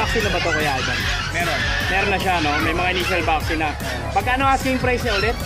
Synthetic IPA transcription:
ak̚sɪnːɐpɐt̪okojaʔd͡ʒɐn | mɛɾonmɛːɾonːɐʃano̞mɐjmɐŋaʔɪniːʃɐlvak̚sɪnɐ | pɐɡkːaʔɐnoaːsɪŋpɾajsnɐʔolɛt̪̚

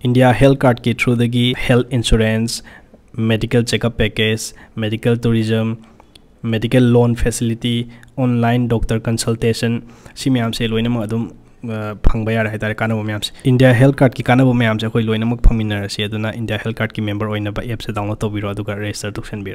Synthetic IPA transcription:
indijaɦelt̚kaɾd̚kitʰɾudɐɡihelt̪ʰinsuɾensmedikelt͡ʃekɐpːeked͡ʒmedikeltuɾizɐmː | edikelːonpʰesilitionlajndɔk̚tɐɾkɐnsɐltesɐnsimɐjamselojnɐmɐkɐdum | pʰɐŋbɐjaɾeɦajtaɾekanːɐbɐmɐjamsi̥indijaɦelt̚kaɾt̚kikanɐbɐmɐjamsiɐkʰojlojnɐmɐk̚pʰɐŋbinɐɾɐsiɐdunɐʔindijahel̚kaɾdkimembɐɾojnɐbɐʔep̚sedawnɐtɐwbiɾoɐduɡɐɾestɐɾtʰuk̚senbiɾo

